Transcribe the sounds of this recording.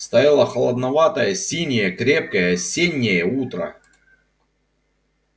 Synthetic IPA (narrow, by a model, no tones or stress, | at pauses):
st̪ɐjalˠəxɐlˠɐd̪nɐvat̪əjəsʲinʲɪjəkɾʲe̞p̚kəjəsʲenʲːɪjəut̪ɾə̰